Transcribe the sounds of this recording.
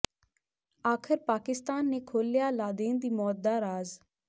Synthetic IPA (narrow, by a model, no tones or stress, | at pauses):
aːkʰɪɾpaːkɪst̪aːnːeːkʰoːljaːlaːd̪eːnd̪iːmɔːt̪̚d̪aːɾaːz